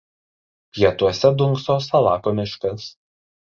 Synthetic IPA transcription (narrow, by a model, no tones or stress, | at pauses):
jiɛt̪uɔsʲɛd̪ʊŋksoːsɐlˠɑːkoːmʲɪʃkɐs